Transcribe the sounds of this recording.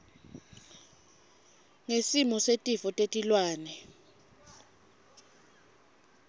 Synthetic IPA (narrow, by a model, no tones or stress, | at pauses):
ŋesimɔsetʼifɔtʼetʼilwaːnɛ